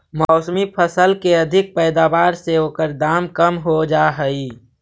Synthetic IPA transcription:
mɔːsəmipʰəsəlkeɐd̪ʱɪk̚pɛːd̪aːʋaːɾseɦoːkəɾd̪aːmkəmɦod͡ʒaːɦəi

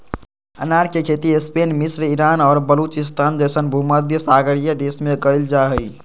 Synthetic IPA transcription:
ə̰naɾkekʰet̪iespenmisɾiɾanɔːɾbəlut͡ʃist̪ʰand͡ʒəjsənbʱuməd̪ʱjəsaɡəɾijəd̪esmeɡəɪld͡ʒaɦəj

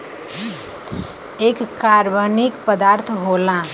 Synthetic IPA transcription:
ekkaɾbənikpəd̪aɾt̪ʰɦolã

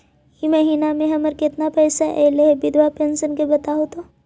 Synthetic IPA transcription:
jimɐɦiːnamẽɦɐməɾkɪt̪napɛːsaʔɛ̰ːleɦɛbɪd̪ʱʋapẽːnsənkebɐt̪aɦot̪o

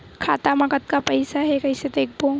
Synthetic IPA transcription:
kʰaːt̪amɐkət̪̚kapɐɪsaɦɛkɐɪsed̪eːk̚ʰboː

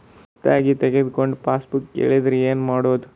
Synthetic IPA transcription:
t̪aːɡit̪eɡed̪koɳɖpaːsbukːḛːɭid̪ɾeːnmaːɽoːd̪u

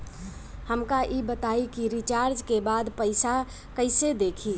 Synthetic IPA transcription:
həmkaʔibət̪aikiɾit͡ʃaɾd͡ʒkebad̪pəɪsa | kəɪsed̪ekʰi

